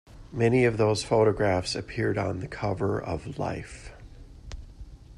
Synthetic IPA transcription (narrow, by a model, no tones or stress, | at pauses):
mɛniʌvðoʊz̥foʊɾɨɡɹæfsɨpʰɪɹɾn̩ðɨkʰʌvə˞ʔʌ̰vla̰ɪf